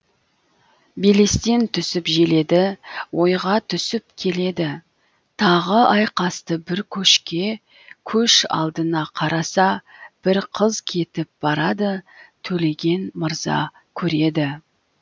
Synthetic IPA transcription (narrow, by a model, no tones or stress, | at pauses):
bele̞st̪e̞nt̪ʰʏsɪpʒele̞d̪ɪwo̞jʁɑt̪ʰʏsɪpkʲʰe̞le̞d̪ɪ | t̪ʰɑʁəʔɑjqɑst̪əbɪɾkʲʰɵʃkʲe̞ | kʲʰɵʃɑ̰lˠd̪ənɑqʰɑɾɑsɑb̥ɪɾqʰəzkʲʰe̞t̪ɪp̚b̥ɑɾɑd̪ət̪ʰɵle̞ɡʲe̞nməɾzɑ̰ | kʲʰɵɾe̞d̪ɪ